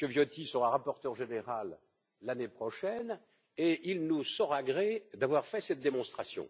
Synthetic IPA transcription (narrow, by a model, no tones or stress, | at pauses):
kəvjɔt̪isəʁaʁapɔʁt̪œʁʒeneʁalː | anepχɔʃɛn | eʔilnusɔʁaɡʁed̪avwaʁfɛsɛt̪̚d̪emɔ̃st̪χasjɔ̰̃